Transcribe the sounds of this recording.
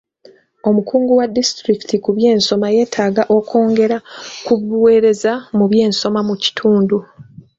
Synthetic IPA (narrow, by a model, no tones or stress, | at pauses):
o̞mukuːŋɡuwadːistɾiktʰikuβje̞ːnso̞maje̞ːtʰaːɡaʔo̞kʰo̞ːŋɡe̞ɾakuβuwe̞ːɾe̞zamuβje̞ːnso̞mamuci̥tʰuːndu